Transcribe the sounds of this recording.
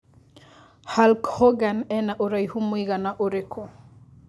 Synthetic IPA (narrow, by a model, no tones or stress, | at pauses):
halkhɔɡanɛnaʔoɾajhumuiɣanaʔoɾekʰo